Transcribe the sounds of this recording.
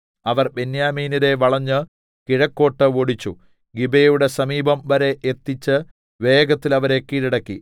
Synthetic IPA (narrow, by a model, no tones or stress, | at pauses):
ɐʋɐrbe̞njaːmiːniɾe̞ʋɐɭɐɲːɨ | kiɻɐkːo̞ːʈːɨoɽit͡ɕːu | ɡibejuɽe̞sɐmiːbɐmʋɐɾe̞ʔet̪ːit͡ɕːɨ | ʋe̞ːɡɐt̪ːilɐʋɐɾe̞kːiɾiɽɐkːi